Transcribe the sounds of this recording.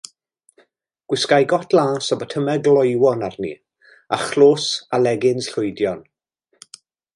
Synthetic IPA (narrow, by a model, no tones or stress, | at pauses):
ɡ̥wɪskajɡɔtʰlˠaːsɔbətʰəmɛɡlˠɔjwɔnarnḭ | aχloːsalɛɡɪnsɬʊjdjɔn